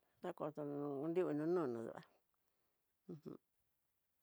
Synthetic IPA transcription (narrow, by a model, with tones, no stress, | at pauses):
t̪a˦ko˨t̪o˧nũ˧u˧nd̪i˦u˧nũ˧˦nũː˦˨nũ˨˧˨ðṵ˧ʔa̰˨˧ | ũ˧hṵ̃˧